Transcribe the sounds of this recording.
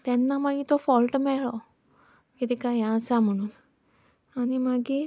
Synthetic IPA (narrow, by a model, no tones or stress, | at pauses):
t̪ɛnːamaɡit̪ɔfɔlʈmɛɭɔ | kit̪ikajãəsam̤əɽ̃uːn | animaɡi